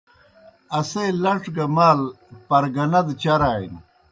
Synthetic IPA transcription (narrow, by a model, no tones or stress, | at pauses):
ɐsejlɐʈɡɐmaːl | pɐɾɡɐnɐd̪t͡ɕɐɾaːḭn